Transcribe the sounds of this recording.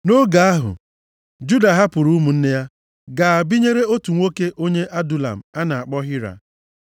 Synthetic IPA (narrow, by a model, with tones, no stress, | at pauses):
no˦ɡa˨˦a˦ɦʊ̰˨ | d͡ʒu˦da˨ɦa˦pʊ˨ɾu˦mu˨n̩˦ne˦ja˦ | ɡa˨a˨bi˦ɲe˦ɾe˦o˦tu˨ŋʷo˦ke˦ʔo˦ɲe˦ʔa˦du˨la̰˨m̩˨a˦na˨a˨k͡pɔ˦ɦɪ˦ɾa̰˨